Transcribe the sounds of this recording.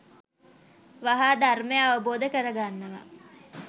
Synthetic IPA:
ʋaɦaːd̪armejaːʋəboːd̪əkəɾəɡanːəʋa̰

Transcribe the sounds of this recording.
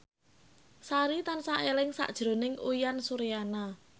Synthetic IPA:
saɾit̪ansaʔelɪŋsa̰ʔd̥ʒ̥ɾo̤nɪŋujansuɾijana

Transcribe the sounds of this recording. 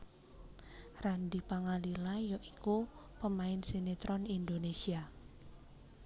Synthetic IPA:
rand̪ipaŋalilajoʔiku | pəmaɪnsenet̪ɾɔnind̪onesia

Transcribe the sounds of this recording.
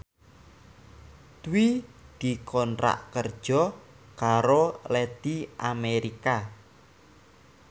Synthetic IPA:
t̪wid̪̥i̤kʰɔnɾa̰ʔkərd̥ʒ̥ɔ̤ | kaɾolɛd̪̥iʔameɾika

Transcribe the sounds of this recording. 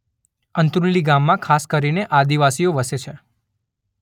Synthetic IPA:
ənt̪ɾunliɡamːãkʰaskəɾineʔad̪iʋasijoʋəset͡ʃʰe

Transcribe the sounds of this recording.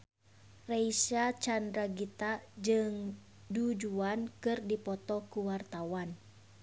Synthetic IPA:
reisat͡ʃandɾaɡit̪ad͡ʒɨŋ | dud͡ʒuankɨrdipɔt̪ɔkuwart̪awan

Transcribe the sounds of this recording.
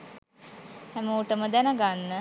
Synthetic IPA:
hɛmoːʈəməd̪ænəɡanːə

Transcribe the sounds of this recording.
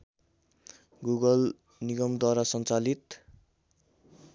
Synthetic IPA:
ɡuɡʌl | niɡʌmd̪waɾasʌnt͡salit̪

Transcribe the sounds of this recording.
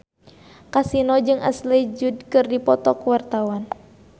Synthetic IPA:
kasinɔd͡ʒɨŋʔa̰sled͡ʒud̚kɨrdipɔt̪ɔkuwart̪awan

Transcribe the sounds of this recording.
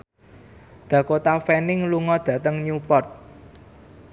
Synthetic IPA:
d̪̥ä̤kot̪afɛnɪŋluŋɔd̪̥ä̤t̪əŋɲupɔrt̪̚

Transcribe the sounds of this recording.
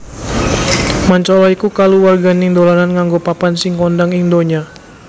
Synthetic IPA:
maɲt͡ʃɔlɔikukaluwarɡaniŋdolananŋaŋɡopapansɪŋkɔndaŋiŋdoɲa

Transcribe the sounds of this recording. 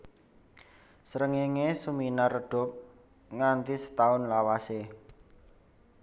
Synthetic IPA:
sɾəŋeŋesuminarəɖ̥ɔ̤p̚ | ŋant̪isə̥t̪aʊnlawase

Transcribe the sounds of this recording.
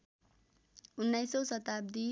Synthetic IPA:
unːajsosʌt̪ab̚d̪i

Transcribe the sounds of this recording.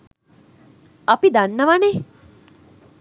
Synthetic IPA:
ɐpid̪anːəʋane

